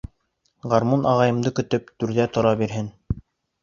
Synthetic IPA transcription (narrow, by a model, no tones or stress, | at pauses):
ʁɑɾmunʔɑʁɑjɤ̆md̪ɤkɵ̆t̪ɵpt̪ʉɾðæt̪ŏɾɑbiɾɦɘn